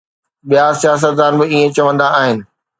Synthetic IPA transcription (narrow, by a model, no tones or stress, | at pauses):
ɓijasijaːs̬ət̪̚d̪ãːn̆bɪiːẽt͡ɕɐʋə̃nd̪aːɦɪnɪ̆